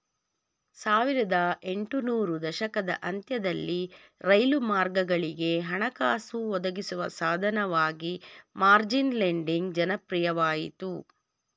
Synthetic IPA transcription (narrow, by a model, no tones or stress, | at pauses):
saːʋiɾɐd̪ɐʔe̞ɳʈunuːɾud̪ɐʃɐkɐd̪ɐ̰ʔɐnt̪jɐd̪ɐlːi | ɾɐjlumaːɾɡɐɡɐɭiɡe̞ɦɐɳɐkaːsuɔd̪ɐɡisuʋɐsaːd̪ʱɐnɐʋaːɡimaːɾd͡ʒinleɳɖiŋɡd͡ʒɐnɐpɾijɐʋaːjit̪u